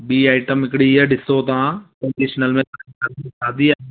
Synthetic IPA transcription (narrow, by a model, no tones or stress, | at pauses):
biːaːɪʈəmɪkɽiɛɖɪsot̪ãkɐ̃ɳɖiːʃnəlmẽt̪akaisaːd̪iaː